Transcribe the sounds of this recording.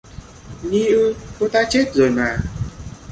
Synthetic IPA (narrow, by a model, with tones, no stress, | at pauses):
ɲi˧ʔɨ˧ko˨˦t̪aː˧˥t͡ɕe˦˥t̚zoː˨˩jmaː˨˩